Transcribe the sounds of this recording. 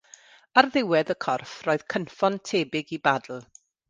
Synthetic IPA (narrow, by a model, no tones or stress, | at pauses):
arðɪwɛðəkʰɔrfroːɨð̥kʰənfɔntʰeːbɪɡibadl̩ˠ